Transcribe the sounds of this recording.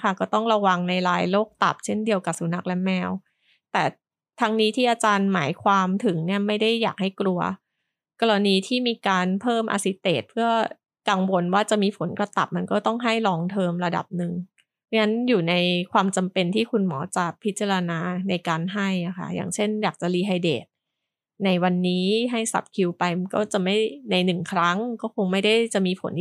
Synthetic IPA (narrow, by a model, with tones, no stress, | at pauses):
a˥˩kɔː˥˩t̪ɔ˥˩ŋɾa˧wa˧ŋna˧jɾaː˧jloː˥˩k̚t̪a̰˨˩p̚t͡ɕʰe˥˩ndi˧əwka˨˩p̚su˨˦na˦˥k̚lɛ˦˥mɛː˧w | t̪ɛː˨˩ | t̪ʰa˦˥ŋniː˦˥t̪ʰiː˥˩ʔaː˧t͡ɕaː˧nma̰ː˩˦jkʰwaː˧mt̪ʰɯ˩˦ŋni˥˩ɐma˥˩jda˥˩jːaː˨˩k̚ha˥˩jklu˧ɐ | kɔː˧ɾa˧niː˧t̪ʰiː˥˩miː˧kaː˧npʰɤː˥˩mʔa̰˧si˦˥t̪ḛː˨˩t̪̚pʰɯ˥˩ɐ | ka˨˩ŋwo˧nwaː˥˩t͡ɕa˨˩miː˧pʰo˩˦nkɾa˧t̪a̰˨˩p̚ma˧nkɔː˥˩t̪ɔ˥˩ŋɦa˥˩jlɔː˧ŋt̪ʰɤː˧mɾa˧da̰˨˩p̚nɯ˨˩ŋ˦ | ŋa˦˥njuː˨˩na˧jkʰwaː˧mt͡ɕa˧mpe˧nt̪ʰiː˥˩kʰu˧nmɔː˩˦t͡ɕa˨˩pʰi˦˥t̪̚t͡ɕa˧ɾa˧naː˧na˧jkaː˧nɦa˥˩ja˨˩kʰa̰˥˩ja̰ː˨˩ŋt͡ɕʰe˥˩njaː˨˩k̚t͡ɕa˨˩liː˧ɦa˧jdḛː˨˩t̪̚ | na˧jwa˧nːiː˦˥ɦa˥˩jsa̰˨˩p̚kʰi˧wpa˧jkɔ̰ː˥˩t͡ɕa˨˩ma˥˩jna˧jnɯ˨˩ŋkʰɾa˦˥ŋkɔː˥˩kʰo˧ŋma˥˩jda˥˩jt͡ɕa˨˩ʔmiː˧pʰo˩˦n